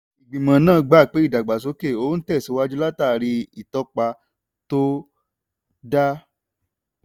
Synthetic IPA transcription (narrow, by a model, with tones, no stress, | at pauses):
i˨ɡ͡bĩ˨mã˨˦nãː˦˨˧ɡ͡ba˦˨k͡pe˨˦i˦˨da˨ɡ͡ba˨s̬o˨˦ke˦˨o˨˦n̩˦tɛ˦˨so˨˦wa˦d͡ʒu˦la˦ta˦˨ɾi˧i˨tɔ˧˦k͡pa˧ | to˦ | da˦